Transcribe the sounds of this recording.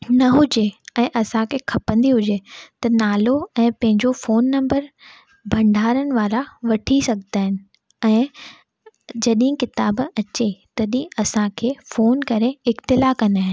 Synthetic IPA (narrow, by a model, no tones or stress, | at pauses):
nɐɦʊd͡ʑeɛ̃ːʔɐsãkʰeːkʰɐpə̃nd̪iɦʊd͡ʑet̪ɐnaːloɛ̃ːpɐ̃ɦɪ̃ɲd͡ʑofoːnːɐ̃mbəɾ | bʱɐ̃ɳɖʱaːɾənɪ̆ʋaːɾaʋɐʈʰisɐɡʱt̪aːɦɪnɪ̆ | ɛ̃ː | d͡ʑɐɗɦĩkɪt̪aːbɐt͡ɕet̪ɐɗĩɐsãkʰeːfoːnkɐɾeɪxt̪ɪlakɐnaːɦɪ̃n